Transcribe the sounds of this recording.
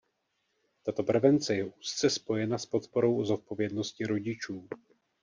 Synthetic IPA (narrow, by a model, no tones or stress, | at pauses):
t̪at̪o̞pr̩vɛnt͡sɛjɛʔuːst̪t͡sɛspo̞jɛnaspo̞t̪po̞ɾo̞wʔozo̞t̪̚po̞vjɛdno̞scɪɾo̞ɟɪt͡ʃuː